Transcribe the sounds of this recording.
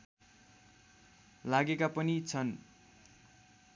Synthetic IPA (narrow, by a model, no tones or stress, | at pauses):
laɡekapʌnit͡sʰʌn